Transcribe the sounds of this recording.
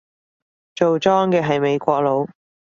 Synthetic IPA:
t͡ʃo˨wt͡sɔː˥ŋkɛː˧ɦɐ˨jme˨˧jkʷɔː˧k̚lo˨˧w

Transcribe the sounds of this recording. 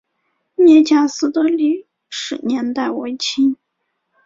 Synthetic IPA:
njɛ˥˧t͡ɕja˥˩sɹ̩˥t̪ɤ˥li˥˩ | ʂɻ̩˨˩njɛ˧˥nt̪a˥˩ɪwe˧˥ɪt͡ɕʰi˥ŋ

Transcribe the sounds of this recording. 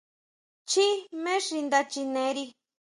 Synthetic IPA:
t͡ʃi˦mẽ˦ʂi˧nd̪a˧t͡ʃi˧nẽ˨˧˦ɾi˧

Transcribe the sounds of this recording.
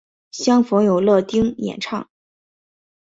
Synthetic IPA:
ɕjɑ˥ŋfɤ˧˥ŋjo˨˩ʊlɤ˥˩t̪i˥ŋjɛ̰˨˩nʈ͡ʂʰɑ˥˩ŋ

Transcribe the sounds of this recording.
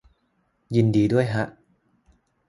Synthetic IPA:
ji˧ndiː˧du˥˩əjɦa˦˥ʔ

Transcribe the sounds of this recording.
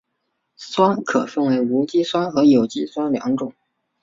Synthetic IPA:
swa˥kʰɤ˨˩fə˥nwe˧˥ɪu˧˥t͡ɕi˥swa˥xɤ˧˥jo˨˩ʊt͡ɕi˥swa˥ljɑ̰˧˥ŋʈ͡ʂʊ˨˩˦

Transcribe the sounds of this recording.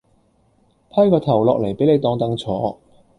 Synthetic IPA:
pʰɐ˥kɔː˧t̪ʰɐ˨˩wlɔː˨k̚le˨˩jpe˨˥jne˨˧jt̪ɔː˧ŋt̪ɐ˨˥ŋt͡sʰɔː˨˥

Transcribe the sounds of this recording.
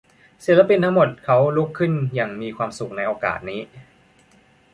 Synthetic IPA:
si˨˩la˧˥pi˧nt̪ʰa˦˥ŋmo˨˩t̪̚kʰa˦˥wlu˦˥kʰːɯ˥˩njaː˨˩ŋmiː˧kʰwaː˧msu˨˩k̚na˧jʔoː˧ka̰ː˨˩t̪̚niː˦˥

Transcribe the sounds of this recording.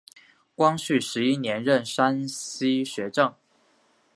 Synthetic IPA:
kwɑ˥ŋɕy˥˩ʂɻ̩˧˥i˦˥njɛ˧˥nɻə˥˨nʂa˥nɕi˥ɕɥɛ˨˧˥ʈ͡ʂɤ˥˩ŋ

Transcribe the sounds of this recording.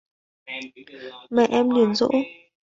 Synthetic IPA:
mɛ˨ʔɛ˧mli˨˩ənzo̰˧˦ʔ

